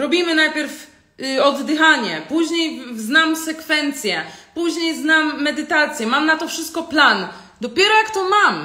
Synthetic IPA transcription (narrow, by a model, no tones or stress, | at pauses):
ɾɔbʲimɘnajpʲjɛɾf | ɔd̪ːɘxaɲɛpuʑɲejznamsɛkfɛnt̪sʲjɛpuʑɲejznamːɛd̪ɘt̪at̪sʲjɛmamnat̪ɔfʂɘst̪̚kɔplan | d̪ɔpʲjɛɾɔjakt̪ɔmam